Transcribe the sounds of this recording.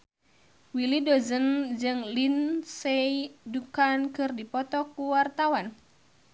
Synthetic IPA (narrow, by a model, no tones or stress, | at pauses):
wilidozənd͡ʒɨŋlinseidukankɨrdipɔt̪ɔkuwart̪awan